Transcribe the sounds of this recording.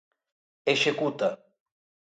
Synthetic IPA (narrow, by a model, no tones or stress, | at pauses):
eʃekut̪a